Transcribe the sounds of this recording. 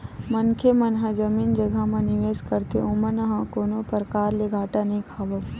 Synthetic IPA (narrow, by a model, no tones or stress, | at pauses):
mənkʰemɐnɦãd͡ʒəmiːnd͡ʒəɡʱamẽnɪʋeːskəɾt̪eomənɦãkoːnopəɾəkaːɾleɡʱaːʈanɐɦĩkʰaːʋə